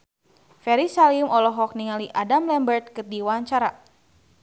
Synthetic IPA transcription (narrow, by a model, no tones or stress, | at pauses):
fɛɾisalimɔlɔɦɔk̚niŋaliʔadamlɛmbərt̪̚kɨdiwaɲt͡ʃaɾa